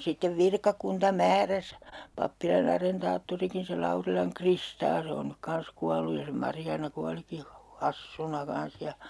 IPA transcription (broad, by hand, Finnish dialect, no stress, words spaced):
sitːeʋ ʋirkɑkuntɑ mæːræs pɑpːilɑn ɑrentɑːtːuriki se kristɑː se on nyk kɑns kuɑlˑuj jɑ se mɑrjɑːnɑ kuɑliki hu hɑsːunɑ kɑns jɑ